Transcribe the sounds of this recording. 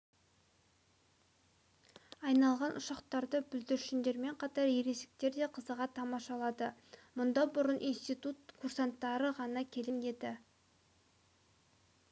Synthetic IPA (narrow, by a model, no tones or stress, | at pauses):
ɑjnɑlˠʁɑnʔʊʃɑqt̪ɑɾd̪əbʏld̪ɪɾʃɪnd̪e̞ɾme̞ɴqʰɑt̪ɑɾjeɾe̞sɪ̥k̚t̪e̞ɾd̪e̞qʰəzəʁɑt̪ʰɑmɑʃɑlˠɑd̪əmʊnd̪ɑbʊɾənʔijnst̪ijt̪ut̪kʰursant̪ːɑɾəʁɑnɑkʲʰe̞lene̞d̪ɪ